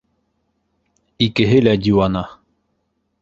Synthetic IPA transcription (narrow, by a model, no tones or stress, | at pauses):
ikeɦelaɟuana